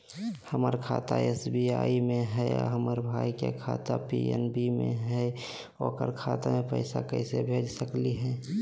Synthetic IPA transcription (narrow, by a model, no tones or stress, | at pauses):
həməɾkʰaːt̪aesbiaːimẽɦɛɔ̰ɦəməɾbʱaːikekʰaːt̪apiɛ̰nbimḛ̃ɦɛ | okəɾkʰaːt̪amẽpə̰ɪsakəɪsebʱeːd͡ʒsəkliɦɛ̃ː